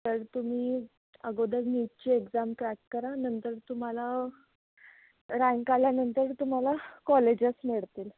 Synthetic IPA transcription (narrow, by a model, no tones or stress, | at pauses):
t̪əɾt̪um̤iː | əɡod̪əɾnit̚t͡ɕiːekd͡zamʈɾækkəɾanənt̪əɾt̪um̤ala | ɾãŋkaljanənt̪əɾt̪um̤alakɔled͡ʑəsmeɭt̪iːl